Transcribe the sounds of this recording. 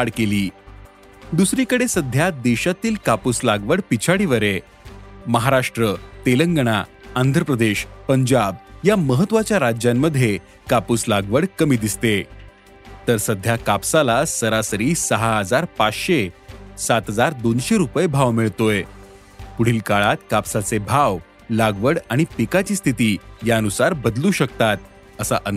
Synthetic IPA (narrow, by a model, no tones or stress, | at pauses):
aɽkeliː | d̪usɾikəɽesəd̪ʱjad̪eɕat̪iːlkapuslaɡʋəɽpit͡ɕʰaɽiʋəɾe | məɦaɾaʂʈɾət̪eləŋɡəɽ̃aand̪ʱɾəpɾəd̪eɕpəɲd͡ʑab̚jaməɦət̪ːʋat͡ɕjaɾad͡ʑjamːəd̪ʱje | kapuslaɡʋəɽkəmiːd̪ist̪e | t̪əɾsəd̪ʱjakapsalasəɾasəɾiːsəɦaɦəd͡zaɾpat͡sɕesat̪ɦəd͡zaɾd̪onɕeɾupəjebʱaʋmiɭt̪oj | puɽ̤iːlkaɭat̪kapsat͡sebʱaʋ | laɡʋəɽaɽ̃ipikat͡ɕiːst̪ʰit̪iːjaənusaɾbəd̪luːɕəkt̪at̪̚ | əsa̰ʔə